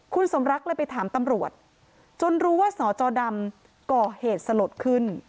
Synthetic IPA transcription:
kʰu˧nso˩˦mɾa˦˥k̚lɤː˧˥jpa˧jt̪ʰaː˩˦mt̪a˧mɾu˨˩ət̪̚ | t͡ɕo˧nɾuː˦˥waː˥˩sɔː˩˦t͡ɕɔː˧da˧m | kɔː˨˩heː˨˩t̪̚sa˧lo˨˩t̪̚kʰɯ˥˩n

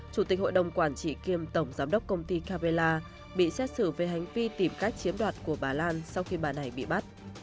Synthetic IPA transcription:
t͡ɕu˧˩t̪i˨˩k̟ho̰˧˨jɗə˨˩wŋ͡mkwaː˧˩nt͡ɕḭ˧˨ki˧əmt̪ə˧˩wŋ͡mzaː˨˦mɗə˦˥k͡p̚kə˧wŋ͡mt̪i˧kaː˧pe˧laː˧ | ɓḭ˧˨sɛ˦˥t̚sɨ˧˩ve˨˩ɦa˨˩jŋ̟vi˧t̪i˧˩mka˦˥jk̚t͡ɕi˨˦əmɗwaː˨˩t̚ku˧˩əɓaː˨˩laː˧nsa˧wxi˧ɓaː˨˩na˨˩jɓḭ˧˨ɓa˦˥t̚

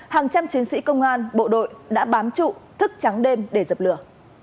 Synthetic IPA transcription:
haː˨˩ŋt͡ɕa˧mt͡ɕi˨˦ŋsḭ˧˥kə˧wŋ͡mʔaː˧nɓo̰˧˨ɗo̰˧˨jɗa̰ː˧˥ɓaː˨˦mt͡ɕṵ˧˨t̪ʰɨ˦˥k̚t͡ɕa˨˦ŋɗe˧mɗe˧˩zə˨˩p̚lɨ˧˩ə

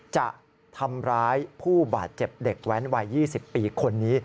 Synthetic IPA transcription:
t͡ɕa̰˨˩ʔ | t̪ʰa˧mɾaː˦˥jpʰuː˥˩baː˨˩t̪̚t͡ɕe˨˩p̚de˨˩k̚wɛ˦˥nwa˧jːiː˥˩si˨˩pːiː˧kʰo˧nːiː˦˥

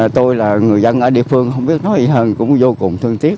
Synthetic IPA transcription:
t̪o˧jlaː˨˩ŋɨ˨˩əjzə˧nʔəː˧˩ɗḭ˧˨əfɨ˧əŋhə˧wŋ͡mɓi˦˥ət̚nɔ˨˦jzi˨˩ɦəː˧nkʊ̰˧˥ŋ͡mzo˧kʊ˨˩ŋ͡mt̪ʰɨ˧ŋt̪i˦˥ət̚

